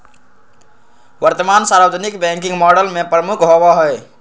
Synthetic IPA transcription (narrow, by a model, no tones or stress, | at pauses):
ʋəɾt̪əmansaɾəʋəd͡ʒənikbɛ̃ŋkĩŋɡmɔɖəlmepɾəmukɦobɔɦɔj